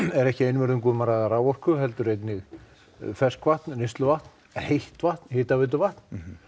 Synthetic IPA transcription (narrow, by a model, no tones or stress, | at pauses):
ɛɾɛhcɪejnvɛɾðʏmkuːmaɾaðaraːwɔr̥kʏɦɛlt̪ʏɾejt̪nɪɣ | fɛskʰvaht̪nnest̪lʏvaht̪n | hejht̪vaht̪n̥hɪht̪avɪt̪̬ʏvaht̪n̥